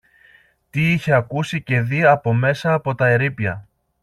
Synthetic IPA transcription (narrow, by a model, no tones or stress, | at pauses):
t̪iiçe̞ɐkusice̞ðiɐpo̞me̞sɐːpo̞t̪ɐe̞ɾipjɐ̰